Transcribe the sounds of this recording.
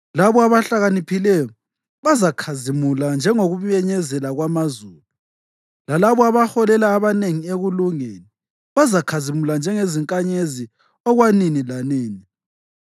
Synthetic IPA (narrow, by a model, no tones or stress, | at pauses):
laβɔaβaɬaɣanipʰilɛjɔ | βazakʰazimuland͡ʒʱɛŋoɣuβjɛɲɛzɛlaɣwamazuːlu | lalaβɔaβaxɔlɛlaːβaneŋieɣuluŋeni | βazakʰazimuland͡ʒʱɛŋeziŋkʼaɲezi | ɔɣwaninilaniːni